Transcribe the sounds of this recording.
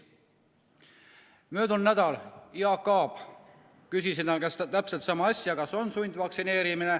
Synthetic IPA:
møːd̪̥unnæd̪̥ɑliɑkːɑːb̥ | kysisiɑkɑst̪t̪æpselt̪sɑmɑɑsʲjɑkɑso̞nsunʲd̪̥vɑksine̞ːɾimine

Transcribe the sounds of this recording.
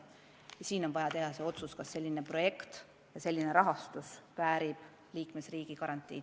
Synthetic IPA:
jɑsiːno̞nvɑjɑt̪e̞ɦɑseo̞t̪suskɑsːe̞lʲːine̞pro̞je̞kt̪ | jɑse̞lʲːine̞ɾɑɦɑst̪usvæːɾib̥ | liːkme̞sriːɡ̥ikɑɾɑnt̪ʲːˑḭː

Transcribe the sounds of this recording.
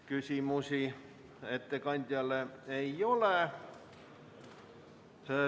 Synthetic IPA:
kysiˑmusiˑ | et̪ːekɑnʲt̪ʲjɑlːeeioleˑ

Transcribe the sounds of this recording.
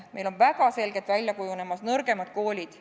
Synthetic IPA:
me̞jlo̞nvæɡ̥ɑse̞lɡet̪vælʲjɑkujune̞mɑsnɤrɡ̥e̞mɑd̪̥̚ko̞ːlʲid̪̥

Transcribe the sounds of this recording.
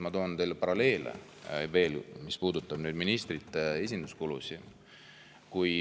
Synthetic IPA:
mɑt̪o̞ːnt̪elːepɑɾɑle̞ːlḛ | ve̞ːlmispuːd̪ut̪ːˑɑb̥nyːd̪minist̪rit̪ːˑee̞sʲind̪̥uskulusi | kuj

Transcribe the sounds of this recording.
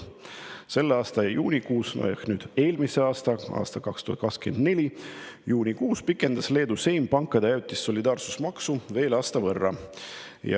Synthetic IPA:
se̞lːeɑːst̪ɑɑjuːnʲikuːsno̰jɑ̰knyːd̪̥e̞ːlmise̞ɑːst̪ɑɑ̰ːst̪ɑkɑkst̪uhɑt̪̚kɑkskyeend̪̥ne̞lʲijuːnʲikuːspikːˑe̞nd̪̥ɑsle̞ːd̪use̞jmpɑŋkːˑɑd̪̥ejæwut̪ːˑisːo̞lʲid̪ɑːrsu̥smɑksuve̞ːlɑːst̪ɑvɤrːɑ̰ | jɑ̰

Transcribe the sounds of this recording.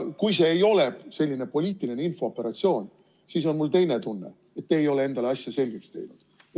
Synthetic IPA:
kujse̞ːjo̞le̞b̥se̞lʲːine̞po̞lʲiːt̪ˑiline̞info̞ːpːˑe̞ɾɑt̪sio̞ːn | siːs̬o̞nmult̪e̞jne̞t̪unːe̞̰ | et̪ːeːjo̞le̞e̞nd̪ɑleɑsʲjɑse̞lʲɡ̥ekst̪e̞̰jnud̥̪

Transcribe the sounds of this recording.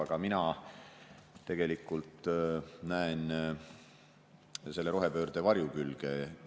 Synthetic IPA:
ɑɡ̥ɑminɑ | e̞ɡ̥e̞likːˑult̪ːnæen | se̞lːeɾo̞ɦe̞pø̞ːrd̪̥evɑɾjukylɡ̥e

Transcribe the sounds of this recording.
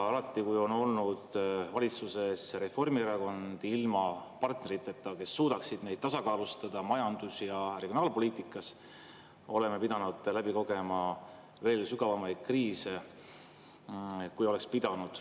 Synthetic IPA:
ɑlɑt̪ːˑikujo̞no̞lnud̪̥vɑlʲit̪suse̞sre̞fo̞rmieɾɑko̞nd̪̥ilmɑpɑrt̪ne̞ɾit̪ːˑet̪ːˑɑke̞sːuːd̪̥ɑksid̪̥ne̞jd̪̥̚t̪ɑsɑkɑːlust̪ɑd̪̥ɑmɑjɑnd̪̥usjɑreɡionɑːlpo̞lʲiːt̪ˑikːˑɑs | o̞le̞mepid̪̥ɑnud̪̥læbiko̞ɡe̞mɑ | ve̞ːlsyɡ̥ɑvɑmɑjd̪̥̚kriːse̞ | kujo̞le̞kspid̪̥ɑnud̪̥

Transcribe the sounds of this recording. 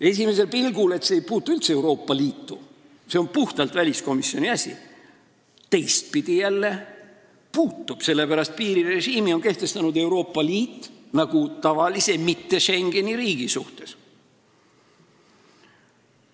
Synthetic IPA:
e̞s̬ʲime̞s̬e̞lpilɡule̞t̪se̞ːjpuːt̪ːˑuylt̪see̞wɾo̞ːpːˑɑliːt̪ˑːu | se̞o̞npuht̪ɑlt̪vælʲisko̞misːjo̞niɑsʲḭ | t̪e̞jst̪̚pid̪̥ijælːe̞ | puːt̪ːˑub̥se̞lːe̞pæɾɑst̪̚piːɾire̞ʒiːmio̞nke̞ht̪e̞st̪ɑnud̪e̞wɾo̞ːpːɑliːt̪ːˑnɑɡ̥ut̪ɑvɑlise̞mit̪ːe̞ʃe̞ŋɡ̥e̞niɾiːɡ̥isuht̪e̞s

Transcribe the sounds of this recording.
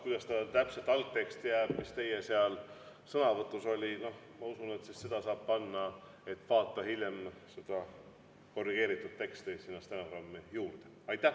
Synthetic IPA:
kujd̥̪ɑst̪ɑt̪æpset̪ːˑɑlt̪̚t̪ːe̞kst̪ijæːb̥mist̪e̞jeseɑl | sɤnɑvɤt̪ːˑuso̞lʲino̞h | mɑusunet̪sist̪sed̪̥ɑsɑːb̥pɑnːɑ | e̞t̪ːˑvɑːt̪ːˑɑhilʲjemsed̪̥ɑ | ko̞rːiɡ̥e̞ːɾit̪ːˑud̪̥̚t̪e̞kst̪isinːɑst̪enoɡrɑmːijuːrd̪̥e | ɑjt̪ːˑæh

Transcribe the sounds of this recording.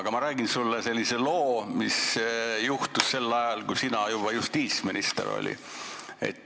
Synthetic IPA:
ɡ̥ɑmɑɾæːɡ̥insulːese̞lʲːise̞lo̞ːmisjuht̪usse̞lːɑjɑlɡusinɑjubɑjust̪iːt̪sminist̪ḛɾo̰lʲḭ | e̞̰t̪ːˑ

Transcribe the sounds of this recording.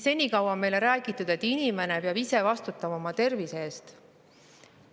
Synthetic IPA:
se̞nʲikɑwɑme̞jleɾæːɡ̥it̪ːˑud̪̥e̞t̪ːinime̞ne̞peɑbise̞vɑst̪ut̪ːˑɑmɑomɑt̪e̞rviseeːst̪

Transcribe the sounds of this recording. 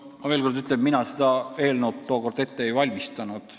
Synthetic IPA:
mɑve̞ːlkord̪yt̪leb̥̚minɑsed̪̥ɑe̞ːlnut̪t̪ːo̞ːko̞rd̪e̞t̪ːeejvɑlʲmist̪ɑnud̪̥

